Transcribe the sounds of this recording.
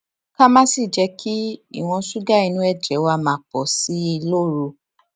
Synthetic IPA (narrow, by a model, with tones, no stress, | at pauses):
kã˦mã˦si˦˨d͡ʒɛ˧ki˦ḭ˦˨w̃ɔ̃˧su˦ɡa˦˨i˧nũ˧˦ɛ˦˨d͡ʒɛ˨˦wa˦˧mãː˨˦k͡pɔ˨si˨˦i˧lo˦˨ɾu˧˦